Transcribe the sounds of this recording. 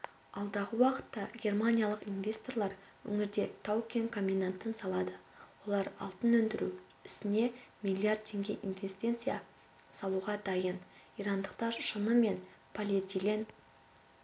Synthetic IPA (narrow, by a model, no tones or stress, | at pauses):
ɑlˠd̪ɑʁəwɑqə̥t̪ːɑɡʲe̞rmanʲijalˠəqinvʲe̞st̪o̞rlˠɑɾ | wɵ̰ŋɪɾd̪e̞t̪ʰawkʲenkʰomʲːinant̪ənsɑlˠɑd̪əwo̞lˠɑɾɑ̰lˠt̪ənɵnd̪ɪɾu | ɪsɪne̞mʲijlʲiard̪̚t̪ʰe̞ŋɡʲe̞ʔinvʲe̞st̪e̞nt̪sɨja | sɑlˠuʁɑd̪ɑjəniɾɑnd̪əqt̪ɑʃənəme̞npʰolʲet̪ʲilʲen